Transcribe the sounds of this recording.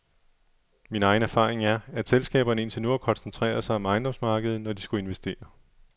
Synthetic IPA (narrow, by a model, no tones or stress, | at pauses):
minɑ̈ɪnæɐfɑ̰̈ːʁeŋæɐæd̥selsɡ̥ɛ̰ːb̥ɐnəe̝nt͡sʰenuɐkʰɒ̽nsnt͡sʰʁɛ̰ːɐsɑ̈ɪɒmɑ̈ɪnd̥ɒ̽msmɑ̈ːɡ̥əð̞̩ˠnɒd̥isɡ̥ue̝nʋesd̥e̝̰ːɐ